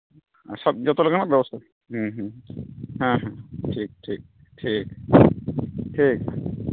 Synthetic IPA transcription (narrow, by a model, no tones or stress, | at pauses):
a̰ʃɔb̚d͡ʑɔt̪olekʰanabɛbost̪ʰa | ɦ̩ɦ | ɦãɦãʈʰik̚ʈʰik̚ | ʈʰik | ʈʰik